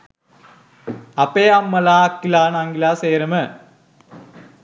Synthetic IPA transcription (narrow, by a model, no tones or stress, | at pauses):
ɐpeːɐmːɐlaːɐkːilaːnaːŋɡilaːseːɾɐmɐ